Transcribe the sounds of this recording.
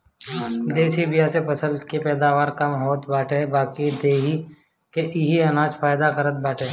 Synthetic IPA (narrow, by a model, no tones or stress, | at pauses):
d̪eːsibɪjasepɐsəlkepɛːd̪aːʋaːɾkɐmɦoːt̪baːʈebaːkid̪eːɦi | keʔɪɦiɐnaːd͡ʒpʰaːjd̪akəɾət̪̚baːʈeː